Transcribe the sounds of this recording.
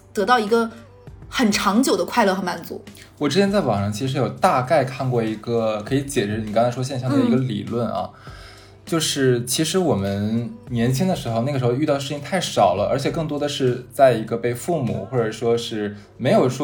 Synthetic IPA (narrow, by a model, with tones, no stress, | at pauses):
t̪ɤ˧˥t̪ɑ˥˩ʊi˧˥ɡə˧ | xə˨˩nʈ͡ʂʰɑ˧˥ŋt͡ɕjo˨˩ʊd̪ə˦kʰwa˥˧ɪlɤ˥˩xɤ˧˥ma˨˩nt͡sṵ˧˥ | wɔ˨˩ʈ͡ʂɻ̩˥t͡ɕjɛ˥nt͡sa˥˩ɪwɑ̰˨˩ŋʂɑ˥˩ŋt͡ɕʰi˧˥ʂɻ̩˧˥jo˨˩ʊt̪a˥˧ka˥˧ɪkʰa˥˧nkwɔ˥˩i˧˥ɡə˧kʰɤ˧˥i˧˥t͡ɕjɛ˨˩ʈ͡ʂɻ̩˧˥ni˨˩kɑ˥ŋt͡sʰa˥ɪʂwɔ˥ɕjɛ˥˧ɕjɑ˥˩ŋd̪ə˩i˧˥ɡə˧lḭ˨˩lwə˥˩nʔɐ̰˩ | t͡ɕjo˥˧ʊʂɻ̩˥˩t͡ɕʰi˧˥ʂɻ̩˧˥wɔ˨˩mə˦nnjɛ˧˥nt͡ɕʰi˥ŋd̪ə˨ʂɻ̩˧˥xo˧ʊna˥˩ə˩ʂɻxo˧ʊy˥˧ɑ˥˧ʂɻ̩˥˩t͡ɕi˥ŋ˥t̪ʰa˥˩ɪʂɑ˨˩ʊlə˦ə˞˧˥t͡ɕʰjɛ˨˩kɤ˥˩ŋt̪̬wɔ˥d̪ə˨˧ʂɻ̩˥˧t͡sa˥˩ɪi˧˥ɡə˧pe˥˧ɪfu˥˩mṵ˨˩xwɔ˥˩ʈ͡ʂə˨˩ʂwɔ˥ʂɻ̩˥˩ | me˧˥ɪjo˨˩ʊʂwɔ˥